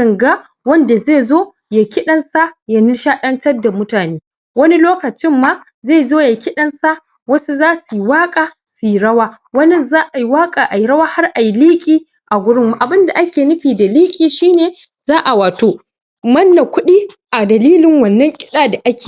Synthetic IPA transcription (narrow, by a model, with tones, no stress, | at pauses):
sɐ˨ŋɡa˦ | wɐ˦nda˨zeː˦˨zoː˦ | ja˨kʲɪ˦ɗɐ˦nsa˦ja˨ni˦ʃaː˦ɗɐ˦ntɐ˦rda˨mʊ˦taː˨neː˦ | wɐ˦ni˦loː˦kɐ˨t͡ʃɪ˦mːaː˦ | zeː˦˨zoː˦ja˨kʲɪ˦ɗɐ˦nsa˦ | wɐ˦su˦zaː˦su˨jwaː˦kʼa˨ | su˨ji˨ɾɐ˦waː˦ | wɐ˦nɐ˦nzaː˦ʔa˨ji˦waː˦kʼaː˨ʔa˨ji˦ɾɐ˦waː˦ha˦rʔa˨ji˦liː˦kʲʼiː˦ | ʔa˨ɡʷʊ˦ɽɪ˦mːu˨ʔa˨bɪ˦nda˨ʔa˦kʲeː˨nʊ˦ɸiː˨da˨liː˦kʲʼiː˨ʃiː˦neː˨ | zaː˦ʔa˨waː˨toː˦ | mɐ˦nːa˨kʷʊ˦ɗiː˦ʔa˨dɐ˨liː˦lɪ˨ŋwɐ˨nːɐ˦ŋkʲʼɪ̥˦ɗaː˨da˨ʔa˦kʲeː˨